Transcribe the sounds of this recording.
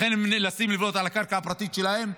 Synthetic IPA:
enemnlasimlivot̪alakaʁkaapʁat̪it̪ʃelahe̞m

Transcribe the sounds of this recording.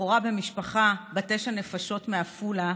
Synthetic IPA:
oʁabemiʃpaχabateʃane̞faʃo̞tmeafula

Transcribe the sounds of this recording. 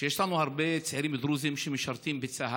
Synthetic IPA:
jeʃlanuhaɾbet͡seʕɾimd̪ɾuzimʃemeʃaɾt̪imbet͡saɦa

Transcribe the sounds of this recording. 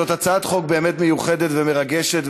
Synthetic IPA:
ot̪at͡saaːt̪χo̞k̚be̞ːmet̪mejuχed̪et̪vemeʁaɡeʃet

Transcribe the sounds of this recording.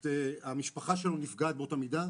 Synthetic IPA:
teamiʃpaχaʃelonifɡat̪̚beotamida

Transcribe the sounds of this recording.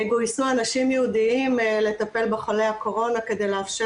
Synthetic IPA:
eɡo̞isuanaʃimjeud̪iimle̞t̪ape̞lbeχole̞jhako̞ʁo̞nake̞d̪e̞jleafʃe

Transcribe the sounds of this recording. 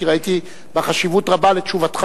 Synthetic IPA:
iʁait̪i | beχaʃivutʁabalet͡ʃuvat̪χa

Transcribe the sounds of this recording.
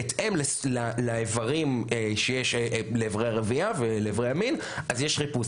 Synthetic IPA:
et̪emleslalaevaʁimeʃejeʃleːvʁejaʁeviaveleːvʁejamin | ʔazjeʃχipus

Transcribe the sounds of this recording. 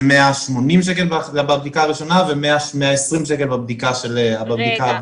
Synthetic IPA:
meaʃmo̞nimʃ̬ek̬elbaabab̚d̪ikaːʁiʃo̞navemeaʃmeaesʁimʃ̬ekelbabd̪ikaʃeleababd̪ika

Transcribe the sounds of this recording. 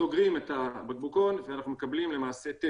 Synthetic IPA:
oɡʁimetabaɡ̚buko̞nveanaχnume̞kablimle̞maːse̞t̪e

